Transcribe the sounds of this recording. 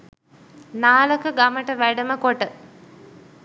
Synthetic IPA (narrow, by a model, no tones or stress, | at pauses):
naːləkəɡaməʈəʋæɖəməkoʈə